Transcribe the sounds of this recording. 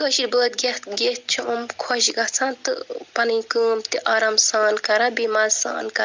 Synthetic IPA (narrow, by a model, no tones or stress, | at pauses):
kəʃiɾʲbəːt̪̚ɡɐɡet̪̚t͡ʃʰumkʰoʃɡɐt͡sʰãːnt̪ɨ̰pɐnɨjkəːmt̪iʔaːɾɐmsaːnkɐɾabimalsa̰ːnkɐ